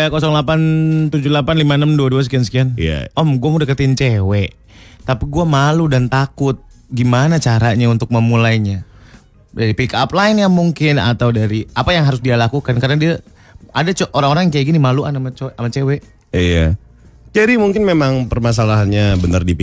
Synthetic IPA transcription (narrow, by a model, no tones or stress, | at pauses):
akɔsɔŋlapant̪ud͡ʒulapanlimanəmduaduasə̥kiansə̥kianja̰ɔmɡuamudakət̪int͡ʃewɛʔ | t̪apiɡuamaludant̪akʊt̪̚ | ɡimanat͡ʃaɾaɲaunt̪ʊk̚məmulajɲa | d͡ʒadipikaplaɪnjamuŋkɪna̰t̪awdaɾiapajaŋɦaɾʊsdialakukankaɾənadia | adat͡ʃʔoɾaŋoɾaŋjkajaʔɡinimaluʔanamat͡ʃʔamat͡ʃewɛʔ | ja̰ | d͡ʒadimuŋkɪnmemaŋpərmas̬alaɦanɲabənərdipi